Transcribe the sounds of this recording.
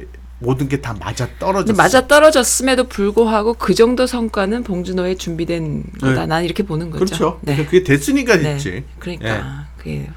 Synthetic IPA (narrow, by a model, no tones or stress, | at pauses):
modɯnɡe̞tama̰d͡ʑat͈ʌɾʌmad͡ʑat͈ʌɾʌd͡ʑʌs͈ɯme̞dopuɭɡoɦaɡokɯd͡ʑʌŋdosʰʌŋk͈wanɯnpoŋd͡ʑunoe̞t͡ɕumbidwe̞nɡʌda̰naniɾʌkʰe̞ponɯnɡʌkd͡ʑot͡ɕʰonekɯɡetes͈ʰɯɲik͈atʰene̞t͡ɕ͈ḭkɯɾʌɲikk͈a̰kɯɡḛ